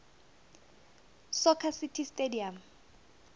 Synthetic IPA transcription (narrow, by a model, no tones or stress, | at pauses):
sɔkʰasitʰistediam